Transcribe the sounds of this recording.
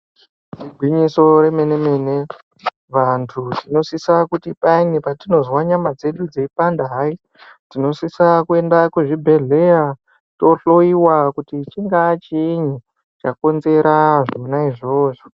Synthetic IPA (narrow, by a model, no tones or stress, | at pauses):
tiɡʱwiɲiso̞ɾe̞me̞ne̞me̞ːne̞ | ʋantʰutino̞sisakutipainipatino̞zwaɲamad͡ze̞ɗud͡zeipandaɦai | tino̞sisakue̞ndakuʐibʱe̞ɮe̞ja | to̞ɬo̞iwakutit͡ʃiŋɡat͡ʃiɲi | t͡ʃako̞nze̞ɾaʐomunaiʐo̞ːʐo